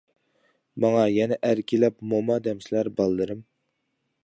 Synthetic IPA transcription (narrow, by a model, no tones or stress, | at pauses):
mɑŋɑjɛnɛʔæɾkʲʰilɛpmomɑd̪ɛmsɪlæɾbɑlˠːɨɾɨm